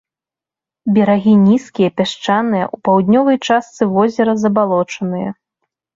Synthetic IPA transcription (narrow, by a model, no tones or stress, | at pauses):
bʲɛɾaɣʲinʲiskʲijɛpʲaʂt͡ʂanɨjɐ̰ʔupawd̪ʲnʲɔvɐjt͡ʂast̪sɨvɔzʲɛɾɐzɐbalˠɔt͡ʂɐnɨjɐ̰